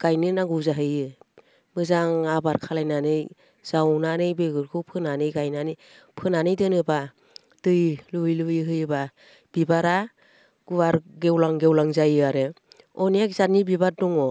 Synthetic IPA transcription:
ɡ̥ajnɯnaŋɡɯzaɦɯjɯ | mɯzaŋabaɾkʰalajnanɯj | z̥awnanɯjbeɡɯɾkʰɯwpʰɯnanɯjɡajnanɯ | pʰɯnanɯjdɯnɯba | d̥ɯjlujlɯjɦɯjɯba | b̥ibaɾa | ɡ̥uwaɾɡewlaŋɡewlaŋzajɯaɾɯ | ɔnijakzat̚nibibaɾ̚dɔŋɔ

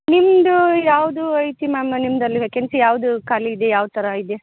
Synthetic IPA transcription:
nimd̪ujaːʋd̪uɐjt̪imaːmɐnimɐd̪ɐlːiɐkensujaːʋd̪ukaːliid̪ejaːʋt̪ʰɐɾɐid̪e

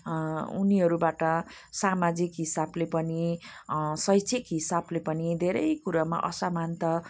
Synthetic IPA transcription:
ṵniɦʌɾubaʈʌ | samad͡zikɦisablepʌni | sʌjt͡sʰikɦisablepʌnid̪ʱeɾʌjkuɾama̰ʔʌ̰samant̪ʌ

